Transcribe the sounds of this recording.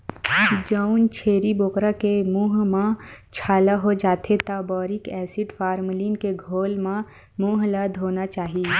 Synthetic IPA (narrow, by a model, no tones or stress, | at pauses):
d͡ʒaʊnt͡ʃʰeːɾiboːkɾakemuːɦmãt͡ʃʰaːlaɦod͡ʒaːt̪ʰet̪aːbɔːɾɪkɛːsɪɖfʰaːɾmliːnkeɡʱoːlmã | muːɦləd̪ʱɦoːnat͡ʃaːɦi